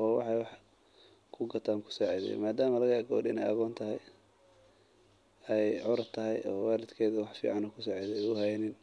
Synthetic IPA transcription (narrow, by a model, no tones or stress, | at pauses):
ɔːwɑ̰ħɑjwɑħ | kʰʊɡɐt̪ʰaːŋkʰʊ̥sɔːʕɛðɛ̰maːd̪aːmɐlɐɣɐɛɡɔ̰ːdɪ̰nɛ̰jɐ̰ɣɔːnt̪ʰɐɦɛj | ɛjʕʊɾɐt̪ʰɐɦɛ̰jɔːwɑːlɪd̪kʰɛːðɐwɑħfḭːʕɑnɔkʰʊsɔʕɛðɛʊhɛjnɪn